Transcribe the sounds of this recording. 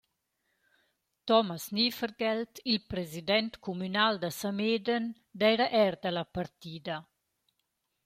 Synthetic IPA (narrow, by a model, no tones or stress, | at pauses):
t̪ɔmasnifəɾɡɛlt̪ilpɾezid̪ɛnt̪kumynald̪asamed̪ən | d̪ɛjɾaʔɛɾd̪alapaɾt̪iːd̪a